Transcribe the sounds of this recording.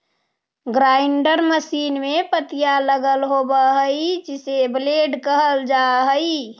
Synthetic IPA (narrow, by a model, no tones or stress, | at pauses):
ɡɾaɪɳɖəɾməsiːnmepət̪ijaləɡəlɦobəɦəid͡ʒɪsebleɖkəɦəld͡ʒaɦəi